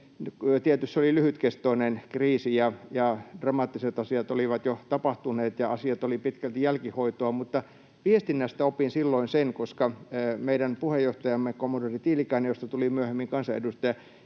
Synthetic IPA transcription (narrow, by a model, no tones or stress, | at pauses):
nkːt̪iet̪ysːolilyhyt̪kest̪oinenkriːsijɑjɑd̥rɑmɑːt̪ːiset̪ɑsiɑt̪oliʋɑt̪jot̪ɑpɑht̪uneːt̪jɑɑsiɑt̪olipit̪kælt̪jælkihoit̪oɑmut̪ːɑ | piest̪inːæst̪æopinsilːoinsenkoskɑːmeiɾænpuhejjoht̪ɑjɑmːekomːodorit̪iːlikɑinejost̪ɑt̪ulimyøhemːiŋkɑnsɑḛdust̪ɑjɑ